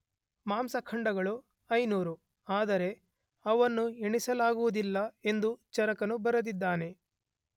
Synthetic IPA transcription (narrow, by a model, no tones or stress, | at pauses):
maːmsɐkʰɐɳɖɐɡɐɭu | ɐjnuːɾu | aːd̪ɐɾe̞ | ɐʋɐnːuiɳisɐlaːɡuʋud̪ilːɐe̞nd̪ut͡ʃɐɾɐkɐnubɐɾɐd̪id̪ːaːne̞